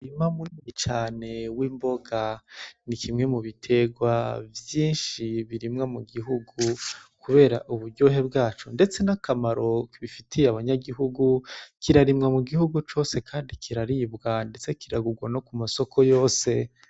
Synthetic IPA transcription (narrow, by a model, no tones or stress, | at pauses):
imamuniit͡ʃaːne̞wiːmbo̞ɡanikimŋe̞muβitʰe̞ɡwavjiːnʃiβiɾimŋamuɡiɦuɡukuβe̞ːɾa̰ʔuβuɾɟo̞ːɦebɡaːt͡ʃonde̞t͡se̞nakamaɾo̞kiβifitʰijeaβaɲaɡiɦuɡukiɾaɾimŋamuɡihuɡut͡ʃo̞ːse̞kʰaːndikʰiɾaɾibɡandet͡se̞kiɾaɡuɡwano̞kumaso̞kʰo̞jo̞ːse̞